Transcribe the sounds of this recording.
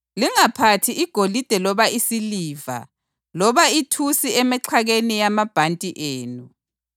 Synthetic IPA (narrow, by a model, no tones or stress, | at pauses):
liŋapʰatʰiiɡ̥ʱolid̥ʱɛlɔβaisiliːva̰ | lɔβaitʰusiɛmɛǁʰaɣenijamab̥ʱantʼiʔeːnu